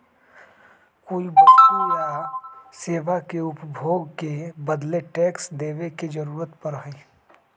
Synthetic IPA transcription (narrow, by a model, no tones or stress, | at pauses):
koːiboːtujaseːʋakeʊpbʱoːɡkebəd̪leʈɛːksd̪eːʋeked͡ʒɐɾuːɾət̪pɐɾɦaeː